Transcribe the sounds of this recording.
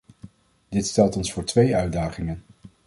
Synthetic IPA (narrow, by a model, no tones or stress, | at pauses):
d̥ɪtstɛlˠtɔnsfʊːɹtʋejœɥdaːχɪŋən